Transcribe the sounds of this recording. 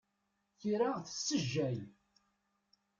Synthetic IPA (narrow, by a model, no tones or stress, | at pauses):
çiɾaθə̥sːəʒːæj